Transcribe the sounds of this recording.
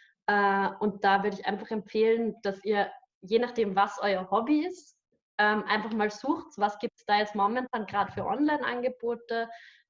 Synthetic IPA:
ʔɛːʔʊnt̚d̥aːvʏɐɾəɪçʔa̰ɪnfaχɛmfeːlənd̥asiːɐ | jeːnaχd̥eːmvasʔɔʏɐhɔbiɪs | ʔɛːmʔaɪnfaχmaːlzuːxtvasɡ̥iːp̚tsd̥aːjɛt͡stmɔmɛntʰaːnɡ̥ʁaːdəfyːɐʔɔ̰nlaɪnʔa̰nɡəboːtə

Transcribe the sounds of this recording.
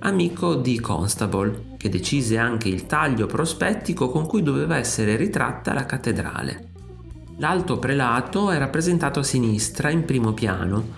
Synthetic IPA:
amiːkʰod̪ikʰɔ̰nst̪abol | k̟ed̪ːet͡ʃiːzeaŋk̟eilt̪aʎːopɾospɛt̪ːikokoŋkujd̪oveːvaɛsːeɾeɾit̪ɾa̰t̪ːa̰lakat̪ːed̪ɾa̰ːlḛ | lalt̪opɾelaːt̪oɛrapːɾezent̪aːt̪oasinist̪ɾaimpɾiːmopja̰ːno

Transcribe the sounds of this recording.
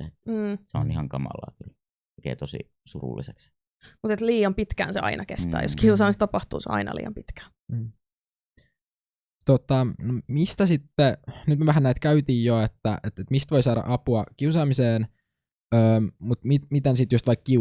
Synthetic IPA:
et̪̩ːseo̰nihɑŋkɑmɑ̰lːɑ̰ːkyl | okḛːt̪osḭ | surṵlːḭseks | mut̪et̪liːɑmpit̪kæ̰ːnseɑ̰inʔɑkḛst̪æ̰ːjo̰skiusɑːmist̪ɑpɑht̪ṵːsḛɑ̰inɑ̰lḭːɑ̰mpit̪kæ̥ː | m̩ː | t̪ot̪ɑnomist̪æsit̪ːenyt̪meʋæɦænæit̪kæyt̪iːjjoet̪ːæʔet̪et̪mist̪ʋoijsɑːɾɑ̰ʔɑpuɑkiusɑːmiseːn | øːmmut̪mit̪mit̪ensit̪just̪ʋɑikːi

